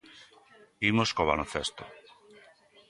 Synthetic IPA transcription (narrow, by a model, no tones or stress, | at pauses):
imoskoβ̞a̰lõnθest̪o